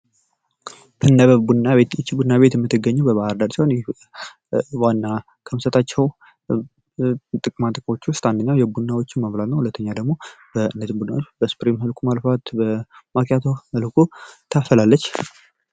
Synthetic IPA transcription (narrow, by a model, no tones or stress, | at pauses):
bɨnːəβəbud̪nːaβejɪt͡ʃːibud̪ɨnaβet̪jɛmːɨt̪ːɨɡːəɲːubəβahəɾd̪aɾsihonjɛ | wanːa | kʰəmsət̪ʰʼat͡ʃːɛw | t̪ʼɨkʼɨmat̪ʼɨkʼmo̞t͡ʃːʊst̪and̪əɲːawjɛbunːawo̞t͡ʃːɪnməβlat̪nəwhulət̪ʰːəɲːad̪əɡmobəɨnːət̪ɨmbud̪ɨnawot͡ʃːbəspɾimhəlkʰumalfat̪bəmakʰʼjat̪ʰohəlkʰut̪ʰafəlalːət͡ʃː